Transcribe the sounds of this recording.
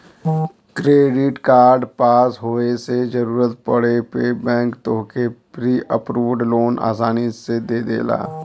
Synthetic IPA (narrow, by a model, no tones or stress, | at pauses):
kɾeːɖɪʈkaːɾɖpaːsɦoːesed͡ʒəɾuːɾət̪pəɽepebɛ̃ːŋkt̪oːkepɾiːʔəpɾuːʋɖloːna̰ːs̬aːnised̪eːd̪ḛːla̰ː